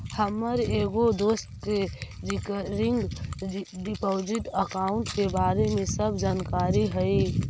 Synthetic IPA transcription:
həmːəɾeɡod̪ost̪ke | ɾikɾɪŋɡ | ɖipoːd͡ʒiʈəkaʊɳʈkebaɾemẽsəbʱd͡ʒankaːɾiɦəi

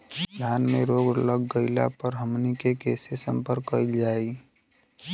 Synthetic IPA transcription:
lʱaːnmẽɾoːɡləɡːəɪla̰pəɾɦəmnikekeːsesə̃mpəɾkːəild͡ʒaːi

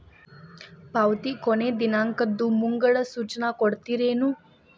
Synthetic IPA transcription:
pawt̪ikoned̪inaŋkəd̪ːumuŋɡəɭəsut͡ʃnakoɽt̪iɾeːnu

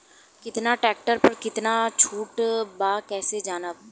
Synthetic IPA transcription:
kɪt̪naʈɛːk̚ʈəɾpɐɾkɪt̪nat͡ʃʰuːʈbaːkɛːsed͡ʒaːnəb

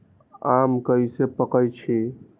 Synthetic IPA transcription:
amkəisepəkəjt͡ʃʰi

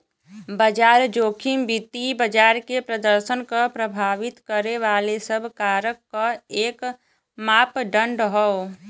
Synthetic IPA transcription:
bəd͡ʒaːɾd͡ʒoːkʰɪmbɪt̪ibəd͡ʒaːɾkepɾəd̪əɾʃənkapɾəbʱaːʋɪt̪kəɾeʋaːlesəbʱkaːɾəkːaeːk | maːpɖə̃ɳɖɦɔ

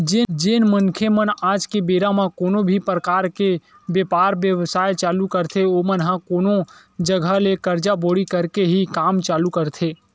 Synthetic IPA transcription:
d͡ʒeːd͡ʒeːnmənkʰemənaːd͡ʒkebeːɾamãkoːnobʱipɾəkaːɾke | bjeːpaːɾbjəʋsaːet͡ʃaːlukəɾt̪ʰeoːmənɦãkoːno | d͡ʒəɡʱəlekəɾd͡ʒaboːɽikəɾkeɦikaːmt͡ʃaːlukəɾt̪ʰeː

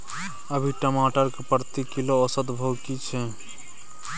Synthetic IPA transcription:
əbʱiʈəmaʈəɾkepəɾt̪ikiloːsət̪bʱəwkit͡ʃʰɛ

